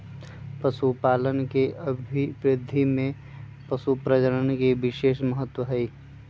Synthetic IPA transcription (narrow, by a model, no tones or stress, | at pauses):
pɐsupaːlənkeəbʱibɾɪd̪ʱimẽ | pɐsupɾəd͡ʒəɾənkeʋɪʃeːʃməɦət̪ːwəɦɛiː